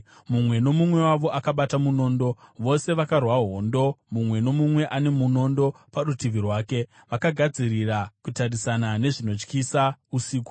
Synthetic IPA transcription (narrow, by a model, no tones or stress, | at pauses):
mumwe̞no̞mumwe̞waʋo̞ʔakaɓatamuno̞ːndo̞ʋo̞se̞ʋakarwaɦo̞ːndo̞mumwe̞no̞mumwe̞ʔane̞muno̞ndo̞paɾutiʋirwaːke̞ | ʋakaɡʱad͡zirirakutarisanane̞ʐino̞t͡ʃkisausiːku̥